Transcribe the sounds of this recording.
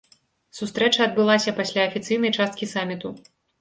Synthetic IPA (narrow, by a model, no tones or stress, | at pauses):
sust̪ɾɛt͡ʂɐːd̪̚bɨlˠasʲɐpasʲlʲaɐfʲit̪sɨjnɐjt͡ʂast̪̚kʲisamʲit̪u